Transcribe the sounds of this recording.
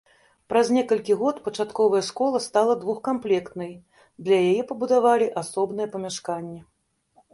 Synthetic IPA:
pɾazʲnʲɛkɐlʲkʲiɣɔt̪pɐt͡ʂat̪kɔvɐjɛʂkɔlˠɐst̪alˠɐd̪vuxkamplʲɛkt̪nɐj | d̪lʲɐjajɛpɐbud̪avalʲiʔasɔbnɨjɛpɐmʲaʂkanʲːɛ

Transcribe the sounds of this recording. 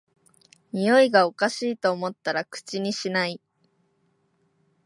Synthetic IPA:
mʲijo̞iɡao̞kaɕiːt̪o̞ːmo̞t̪ːaɾakɯ̟̥t͡ɕiɲ̟iɕinai

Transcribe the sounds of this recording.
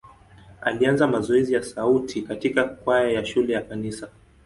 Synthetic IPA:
a̰lianzamazɔɛzijasautʰikatikakwajajaʃulɛjakanisa

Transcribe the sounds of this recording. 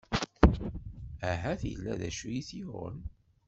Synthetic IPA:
æɦæθjə̰lːæðæ̰ʃujiθiʊ̰n

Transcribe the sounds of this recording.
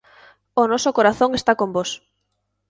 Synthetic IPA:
onɔsokoɾaθoŋest̪akombos

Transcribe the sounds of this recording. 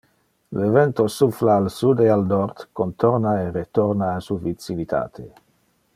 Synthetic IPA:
levɛnt̪osuflaːlsud̪ealnɔɾt̪kont̪oɾnaeret̪oɾnaːsuvisinit̪ʰa̰ːt̪ʰe

